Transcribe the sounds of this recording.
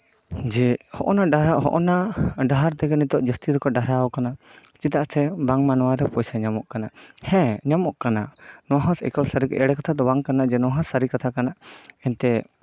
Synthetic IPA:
d͡ʒɛhɔʔɔnaɖaɾaɦɔ̰ʔɔnaɖaɦaɾt̪ɛɡɛnit̪ɔʔd͡ʒəst̪iɾɔkɔɖaɾawɔkanat͡ʃit̪aʔsɛbaŋmanwaɾɛpɔjsaɲamɔʔkanahɛ̃ɲamɔʔkanaʔnɔwaɦɔ̃sɛ̰kəlsaɾikʔɛɽɛkat̪ʰad̪ɔbaŋkanaʔd͡ʒɛnɔaɦãsaɾikat̪ʰakanaʔɛnt̪ɛ

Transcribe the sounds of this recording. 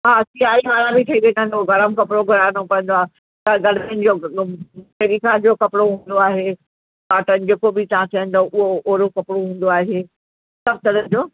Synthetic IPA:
ɦaːsiaːiɦaːɾãbʱɪt̪ʰɐiʋẽːnə̃n̆d̪oɡɐɾəmkɐpɽoɡʱɐɾaːnokɐ̃ɦə̃nd̪oaːe | t̪ɐɡɐɽmenɪ̆d͡ʑoː | peɾikãd͡ʑoːkɐpɪɽoɦũːnd̪oaːɦe | aːʈənɪ̆d͡ʑeːkobɪt̪ɐɦãt̪ʰɐɦə̃n̆d̪oʔʊɦoʔoːɾokɐpɽoɦũːn̆d̪oaːɦe | sɐft̪əɾənɪ̆d͡ʑoː

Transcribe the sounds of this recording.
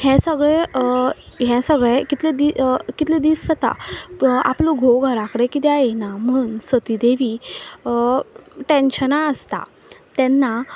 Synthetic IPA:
ɦɛ̃səɡɭe | ɦɛ̃səɡɭekit̪led̪ikit̪led̪iːssət̪a̰ | a̰ploɡʱoɡʱəɾãkəɽekit̪ɛajenam̤unsət̪id̪eʋi | ʈẽnɕənaəst̪a̰ | t̪ɛ̃nːa

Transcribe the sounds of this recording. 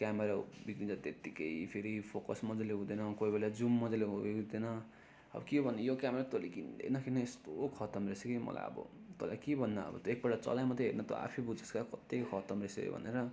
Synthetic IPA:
kjameɾabikɾid͡zʌt̪et̪ikejpʰeɾipʰokʌsmʌd͡zʌleɦũd̪enʌkojbʱelad͡zumːʌd͡zʌleɦuũd̪enʌ | ʌ̰bʌkebʱʌnːijokjameɾat̪olikind̪ḛnʌkʰinʌest̪okʰʌt̪ʌmresekejmʌ̰la̰jʌ̰bʌ̰t̪o̰la̰kebʱʌnːʌʌ̰bʌ̰t̪oek̚bʌɽat͡sʌ̰lajmʌt̪ʌɦernʌt̪o̰a̰pʰibud͡zʌskakʌt̪ekkʰʌt̪ʌmresekḛbʱʌ̰nḛɾʌ

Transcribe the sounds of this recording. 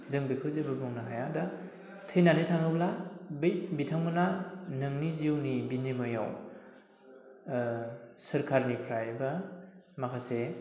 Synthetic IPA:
zɯŋbɯjkʰɯwzɯbɯbɔŋnaɦajada | tʰɯjnanitʰaŋɯblabijbitʰawmɯnanɯŋniziwnibinimɯja̰w | sɯɾkʰaɾnipʰɾajbɐ | makʰase

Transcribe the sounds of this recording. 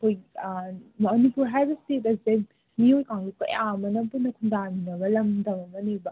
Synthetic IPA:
koj | mɔnipuɾɦajbɐstet̬ɐze | miojkaŋɡikɐ̰jamɐnɐpunːɐkʰundaninɐbɐlɐmdɐmɐmɐnijbɐ

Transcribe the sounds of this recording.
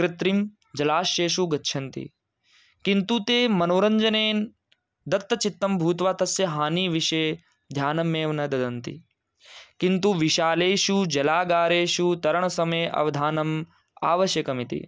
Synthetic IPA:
kɾɪt̪ɾim | d͡ʒɐlaːʃjeːʃuɡɐtːʃʰɐnt̪ḭ | kint̪ut̪eːmɐnoːɾɐɲd͡ʒɐneːn | d̪ɐt̪ːɐt͡ʃit̪ːɐmbʱuːt̪ʋaːt̪ɐsjɐɦaːniːʋiʃeː | d̪ʱjaːnɐmeːʋɐnɐd̪ɐd̪ɐnt̪ḭ | kint̪uʋiʃaːleːʃud͡ʒɐlaːɡaːɾeːʃut̪ɐɾɐɳ̃ɐsɐmeːʔɐ̰ʋɐd̪ʱaːnɐm | a̰ːʋɐʃjɐkɐmit̪ḭ

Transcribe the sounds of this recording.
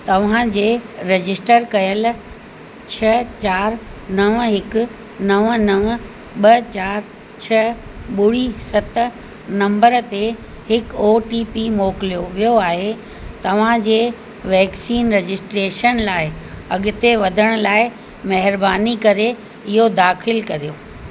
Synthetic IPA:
t̪ɐʋ̤ãd͡ʑeːɾed͡ʑɪsʈəɾkɐjəl | t͡ɕʰɐt͡ɕaːɾnɐʋɦɪkʊ̆ | nɐʋnɐʋə | ɓɐt͡ɕaːɾ | t͡ɕʰɐɓʊɽisɐt̪ | nɐ̃mbəɾt̪e | hɪkoːʈiːpimoːkɪlijoʋijoaːɦe | t̪ɐʋ̤ãd͡ʑeː | ʋɛːksiːnɾed͡ʑɪsʈɾeːʃənlaːɪɐɠɪt̪eʋɐd̪ʱəɽ̃ʊ̆laːɪ | mɐɦɪɾbaːnikɐɾe | ɪɦod̪aːxɪlkɐɾijo

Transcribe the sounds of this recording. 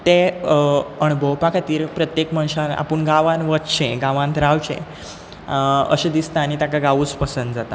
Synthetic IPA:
t̪e | əɳbowpakʰat̪iːɾpɾət̪jekmə̃ñɕaɾa̰pəɳɡaʋãnʋət̪t͡ɕʰẽɡaʋãnt̪ɾawt͡ɕḛ̃ | ə̰ɕed̪ist̪aañit̪akaɡaʋuːt͡spəsənd̪d͡zat̪a

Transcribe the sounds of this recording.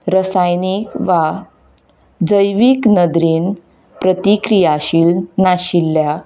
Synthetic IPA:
ɾəsajnikʋa | d͡zəjʋiːknəd̪ɾiːn | pɾət̪ikɾijaɕiːlnaɕilːja

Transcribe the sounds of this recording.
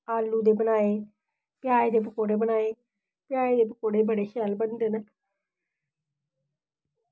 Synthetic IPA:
aːlːuːd̪eːbənaːeː | pɪjaːeːd̪eːpəkoːɽeːbənaːeː | pɪjaːeːd̪eːpəkoːɽeːbəɽeːʃɛːlbənd̪eːnɛː

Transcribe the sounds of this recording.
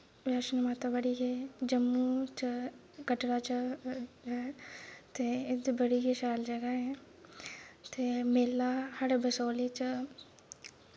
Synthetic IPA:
ʋjaːʃənmaːt̪abəɽiked͡ʒəmːut͡ʃə | kəʈɽat͡ʃəɦɛːt̪eːɪd̪bəɽiːkiʃaːld͡ʒəɡaɦɛ̃ | t̪eːmeːlaːhɐɽbəsoːliːt͡ʃə

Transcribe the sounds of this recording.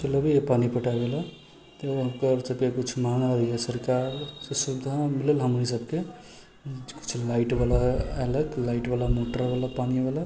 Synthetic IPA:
t͡ʃeləbijepanipəʈaɡelə | t̪ɦəmkəɾsəbkekut͡ʃʰmɦaŋabikesəɾkaɾsesud̪ʱːamiləlɦəmɾisəbke | ku̥t͡ʃʰlaiʈbalaeləklaiʈbalamoʈəɾbalapanibala

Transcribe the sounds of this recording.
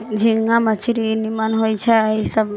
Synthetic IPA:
d͡ʒiŋamət͡ʃʰiɾinimanɦojt͡ʃʰɛisəb

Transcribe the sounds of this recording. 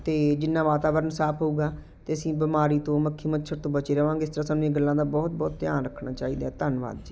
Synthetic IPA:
t̪eːd͡ʒɪnːãːʋaːt̪aːʋəɾənsaːpʰɦouːɡaː | t̪eːəsĩːbɪmaːɾiːt̪õːməkʰːiːmətːʃʰəɾt̪õːbət͡ʃeːɾəʋãːŋɡeɪst̪əɾaːsaːnũeːɡəlːãːd̪aːbɔːt̪̚bɔːt̪ːjaːnɾəkʰnaːt͡ʃaːiːd̪aːɛt̪ənʋa̰ːd̪d͡ʒiː

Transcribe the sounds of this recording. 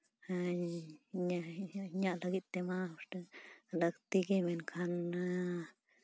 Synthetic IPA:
a | ɲaɲalaɡit̪ːemaoʂt̪alakt̪iɡimenkʰana

